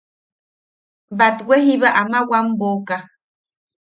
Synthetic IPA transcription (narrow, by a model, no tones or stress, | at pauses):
bat̪wʷeɦiβaʔamawamboka